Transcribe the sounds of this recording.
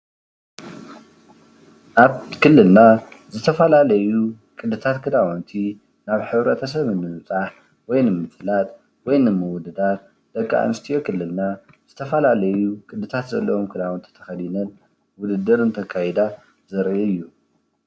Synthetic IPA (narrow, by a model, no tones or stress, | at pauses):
ʔaβkʰɨlːɨlnazɨt̪ʰɐfɐlalɐju | kʼɨd̪ːɨt̪ʰat̪kʰɨd̪awɔnt̪ʰi | naβħɨβɾɐt̪ʰɐs̬ɐβɨnːɨmɨt͡sʼaħ | wɔjnɨmɨflat̪ʼ | wɔjnɨmɨwʊd̪ɨd̪at̪ | d̪̥ɐkʼːa̰ʔnɨst̪ʰijo̞kʰɨlːɨlna | z̥ɨt̪ʰɐfɐlalɐjukʼɨd̪ːɨt̪ʰat̪zɐlːɐwomkʰɨd̪awɔnt̪ʰi̥t̪ʰɐxɐd̪inɐn | wʊd̪ɨd̪ɨɾɨnt̪ʰɐkʰːajɛd̪a | zɐɾʔiɨjːu